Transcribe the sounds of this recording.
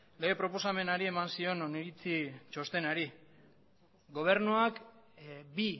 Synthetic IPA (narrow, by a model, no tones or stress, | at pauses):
le̞ɣe̞pɾo̞po̞same̞naɾie̞mansio̞noniɾit͡sit͡ʃo̞st̪e̞naɾi | ɡo̞β̞e̞ɾnuak | bi